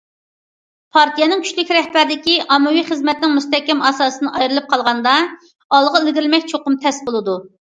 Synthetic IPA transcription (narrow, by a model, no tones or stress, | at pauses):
pʰɑɾt̪ʰijɛnɨŋkʲʰy̥ʃʲlɪkʲɾɛhbæɾɪd̪ɪkʲiʔɑmːɨwiχəzmɛt̪nɪŋmust̪ɛkʲːɛmɑsɑːsɨnɨʔɑjɾɨlˠɨp̚qʰɑlˠʁɑnd̪ɑ | ɑlˠʁɑɪlɡʲɪɾɪlmɛkʲt͡ʃʰoqʊmt̪ʰɛsbolˠɨd̪u